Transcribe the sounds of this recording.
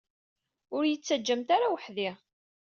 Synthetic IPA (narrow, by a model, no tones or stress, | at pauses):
ʊɾjət͡sːæd͡ʒːəmt̪aɾawəħðiʁ